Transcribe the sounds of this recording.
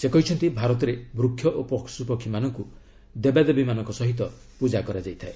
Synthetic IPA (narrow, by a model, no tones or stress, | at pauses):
sekɔɦit͡ʃʰɔnt̪ibʱaɾɔt̪ɔɾebɾukʰːjɔʔopɔksupɔkʰːimanɔŋku | d̪ebad̪ɔbimanɔ̃ŋkɔsɔɦit̪ɔ | pud͡ʒakɔɾad͡ʒajt̪ʰae